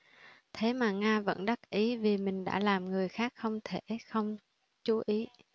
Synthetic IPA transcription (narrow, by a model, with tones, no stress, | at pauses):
t̪ʰe˨˦maː˨˩ŋaː˧və̰˧˥nɗa˦˥k̚ʔi˨˦vi˨˩mï˨˩ŋ̟ɗa̰ː˧˥laː˨˩mŋɨ˨˩əjxaː˦˥k̚xə˧wŋ͡mt̪ʰe˧˩xə˧wŋ͡m | t͡ɕu˨˦ʔi˨˦